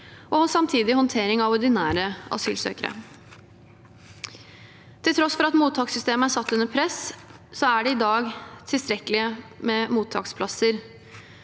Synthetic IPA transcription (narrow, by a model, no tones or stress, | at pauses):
ʔɔsɑmt̪ʰiːd̪ɪhɔnt̪ʰeːɾɪŋɑʋɔɾɖɪnæːɾəɑ̰sy̰ːlsø̰ːkəɾə̰ | t̪ʰɪlt̪ʰɾɔsfɔɾɑt̪muːt̪ʰːɑːksʏst̪eːməæʂɑt̪ːʉnːəɾpʰɾɛssɔæɖɛɪd̪ɑːɡt̪ʰɪlst̪ɾɛkəlɪəmɛmuːt̪ʰːɑ̰ːkspʰlɑsəɾ